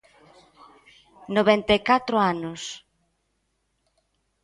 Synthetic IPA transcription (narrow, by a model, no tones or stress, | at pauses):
noβɛnt̪ekat̪ɾoanʊs